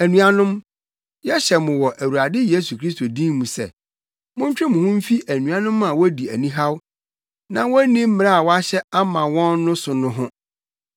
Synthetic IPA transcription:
æ˨nũ˨a˨nʊ̃˦m | jɛ˦ɕɛ˨mʊ̃˨wɔ˨ʔæ˨wu˨ɾa˨dɪ˦je˦s̬u˨kʰɾi˦s̬to˨dĩ˦mmũ˨sɛ̰˨ | mʊ̃˦ɲ̩˦t͡ɕᶣɾɪ˦mʊ̃˨hʊ̃˦m̩˦fi˦ʔæ˨nũ˨a˦nʊ̃˦mã˨wɔ˦di˨æ˨nĩ˦ɦa˦w | nã˨wɔ˦nĩ˦m̩˦mɪ̃˨ɾa˦a˨wɔ˦a˦ɕɛ˦a˦mã˨wɔ̃˦nːʊ̃˦sʊ˨nʊ̃˦ɦʊ̃˦

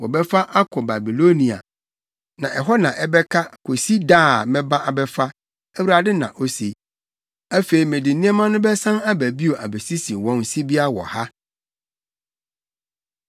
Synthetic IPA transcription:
wɔ˨bɛ˦fa˦ʔa˦kʰɔ˨ba˨bi˨lo˦nĩ˨a̰˨ | nã˨ʔɛ˨ɦɔ˦nã˨ʔɛ˦bɛ˦kʰa˦kʰo˨si˦daː˦˨mɛ̃˦bã˦ʔa˨bɛ˦fa˦ | æ˦wu˦ɾa˨dɪ˦nã̰˨ʔo˦se˨ | æ˦fe˨i˨mẽ˨dɪ̃˨nĩ˦ɛ˦mã˦nʊ̃˦bɛ˦sã˦na˦bæ˨bi˦o˨ʔa˨be˨si˦sĩ˨wɔ̃˦nsi˦bi˦a˦wɔ̰˨ha˦

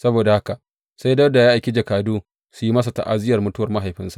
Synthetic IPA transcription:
sɐ˦boː˨da˨ha˦ka˨ʔ | sa˦jdɐ˦da˨jaː˦ʔa˨kʲi˦d͡ʒɐ˨kaː˨duː˦ | su˨ji˦mɐ˦s̬a˨ta̰˨ʔa˦˨zɪ˦jɐ˨rmʊ˦tʊ˦wɐ˨rma˦ɦa˨jɸɪ˦nsḁ˨ʔ

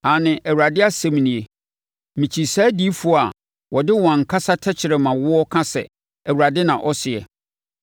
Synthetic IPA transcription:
a˨nɪ̃˨ʔɛ˨wu˨ɾa˨dɪ˦a˨sɛ̃˦m˨nĩ˨e˨ | mĩ˨t͡ɕʰi˨saː˦di˦fu˨˦˨a˨ | wʔɔ˨dɪ˦wã˨ŋ̩˨kʰa˦sa˦tʰɛ˦t͡ɕʰɪ˨ɾɛ˨mã˨wʊ˦ɔ˦kʰã˦sɛ̰˨ | æ˨wu˨ɾa˨dɪ˦nã˨ʔɔ˦sɪ˨ɛ̰˨

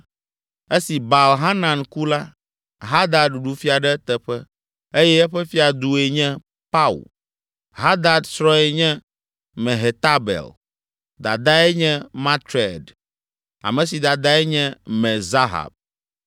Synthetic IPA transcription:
e˦si˨ba˨lɦa˦nã˨nku˦la˦ | ɦa˦d̪a˨ɖɖu˨fi˦a˨ɖɛ˦t̪ɛ˨ɸɛ˦ | e˦jɛ˦ɛ˦ɸɛ˦fi˦a˨d̪u˨e˨ɲɛ̃˦ | pa˦ṵ˨l | ɦa˦d̪a˨d̪sɾɔ̃˦ɛ˨ɲɛ̃˦ | mɛ̃˨ɦe˨t̪a˦bɛ̰˨l | d̪a̰˨d̪a˦ɛ˦ɲɛ̃˦mã˦t̪ɾe˨d | a̰˨mɛ̃˨si˨d̪a˨d̪a˦ɛ˦ɲɛ̃˦mɛ̃˨za˦ɦa̰˨b̚

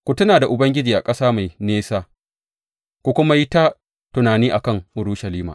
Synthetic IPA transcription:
kʷʊ˨tʊ˦naː˨da˨ʔʊ˨bɐ˦ŋɡʲɪ˦d͡ʒiː˨ʔa˨kʼɐ˦saː˦ma˨jneː˦saː˦ | kʷu˦kʷʊ˦ma˦ji˦ta˦ | tʊ˨naː˨niː˦ʔa˨kɐ˦ŋʔʊ˨ɽu˦ʃɐ˨liː˦ma̰ː˨

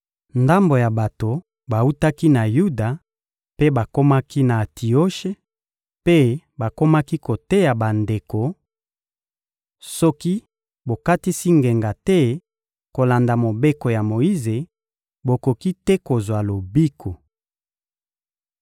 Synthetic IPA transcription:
nda˦mbo˨ja˨ba˨to˨ | ba˨u˦ta˦ki˦na˨ju˦da˨ | pe˦ba˨ko˦ma˦ki˦na˨tʰi˨o˦ʃe˦ | pe˦ba˨ko˦ma˦ki˦ko˨te˦ja˨ba˨nde˨ko˨ | sɔ˦ki˦ | bo˨ka˦ti˦si˦ŋɡe˨ŋɡa˨tɛ˦ | ko˨la˨nda˨mo˨be˦ko˨ja˨mo˨i˦ze˨ | bo˨ko˨ki˦tɛ˦ko˨zwa˨lo˨bi˦kʰo˨

